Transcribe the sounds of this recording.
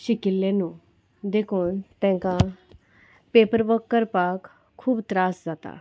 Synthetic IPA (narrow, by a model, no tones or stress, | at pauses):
ɕikilːẽnu | d̪ekʰuːnt̪ɛ̃ŋka | pepəɾʋəkːəɾpakʰː | uːbt̪ɾasd͡zat̪a̰